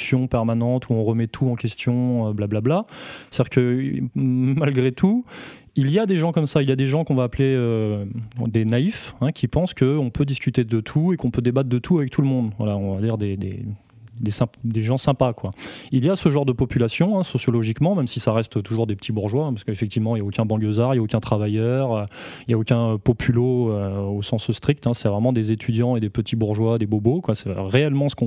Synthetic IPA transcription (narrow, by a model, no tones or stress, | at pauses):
sjɔ̃pɛʁmanɑ̃t̪ʰuɔ̃ʁəmɛt̪ʰuɑ̃kʲɛst̪jɔ̃øblablablaad̪ʲiʁkə | malɡʁet̪ʰu | ilijad̪eʒɑ̃kɔmsailjad̪eʒɑ̃kɔ̃vaːpleø | d̪enaifɛ̃kʲʰipɑ̃skəɔ̃pød̪iskʲyt̪ed̪ət̪ʰuekɔ̃pød̪ebat̪d̪ət̪ʰuavɛk̚t̪ʰuləmɔ̃d̪vwa̰laɔ̃vad̪iʁd̪ed̪ḛ | d̪esɛ̃d̪eʒɑ̃sɛ̃pakwailjasəʒɑ̃ʁd̪əpɔpylasjɔ̃ɛ̃sɔsjɔlɔʒikmɑ̃mɛmsisaʁɛst̪t̪uʒuʁd̪epə̥t̪ʰibuʁʒwaɛ̃pḁskəefɛkt̪ivmɑ̃iljaokʲɛ̃bɑ̃jozaʁiljaokʲɛ̃t̪χavajœʁøiljaokʲɛ̃pɔpʰyloøosɑ̃sst̪χik̚t̪ɛ̃sɛvʁɛmɑ̃d̪ezet̪ʰyd̪jɑ̃ed̪epət̪ʰibuʁʒwad̪ebobokwasɛʁeɛlmɑ̃sə̥kɔ̃